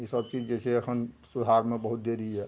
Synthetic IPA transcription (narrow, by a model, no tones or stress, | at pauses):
isəbt͡ʃid͡ʒd͡ʒesʰeəkʰənsud̪ʱaɾmẽbəɦut̪̚d̪eɾiɦɛ